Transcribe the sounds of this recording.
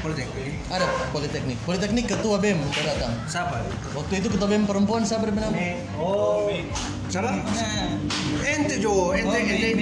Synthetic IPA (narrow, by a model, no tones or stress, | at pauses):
polit̪ɛk̚ɪ | adapolit̪ɛk̚nɪk̚polit̪ɛk̚nɪkːət̪uabɛɛmt̪adat̪aŋsapawak̚t̪uit̪̬ukət̪̬uabeɛmpəɾəmpuansabaɾibəna | o | sabaa | ɛnt̪ed͡ʒoɛnt̪ɛɛnt̪e